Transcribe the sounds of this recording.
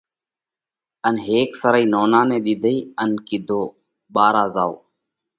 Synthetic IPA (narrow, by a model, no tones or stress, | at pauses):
ənɦeːksəɾəiːnoːnãːnẽːɗ̪ɪd̪ʱəiːənkɪd̪ʱoː | ɓaːɾaːzaːo̰ː